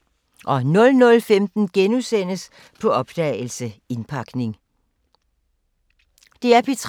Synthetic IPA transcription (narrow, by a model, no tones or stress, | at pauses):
ʔɒ̽nɔ̽lnɔ̽lfemd̥n̩ɡ̥enusen̰əs | pʰɒ̽ɒ̽b̥d̥ɛ̰l̩səe̝npʰɑ̈ɡ̥ne̝ŋ | d̥e̝æɐpʰit͡sʰ